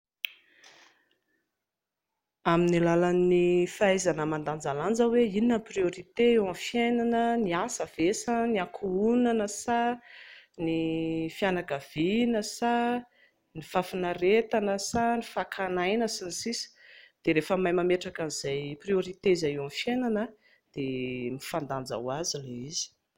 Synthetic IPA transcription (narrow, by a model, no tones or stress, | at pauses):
aminilalanːifaajzanəmand̪and͡zaland͡zəweininəprioɾit̪eewãnfjajnanəniasəv̥esəniakʰuunanəsa | nifianakav̥inəsa | nifafinaret̪anəsanifakʰanajnəsinisisi̥d̪̥eɾefəmajmameʈ͡ʂakaniz̥ajprioɾit̪eizajewãnfjenanə | d̪̥emifand̪and͡za̰wazileizi̥